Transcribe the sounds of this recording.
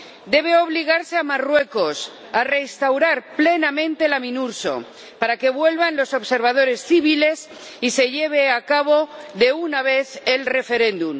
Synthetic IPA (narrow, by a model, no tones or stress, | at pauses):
d̪e̞β̞e̞o̞β̞liɣ̞aɾseamarwe̞ko̞s | are̞st̪awɾaɾple̞namẽnt̪elamĩnuɾso̞̰ | paɾake̞βwe̞lβanlo̞so̞βse̞ɾβað̞o̞ɾe̞sθiβ̞ile̞s | ise̞ʎe̞β̞e̞akaβ̞o̞ðe̞unaβe̞θe̞lre̞fe̞ɾẽ̞nd̪um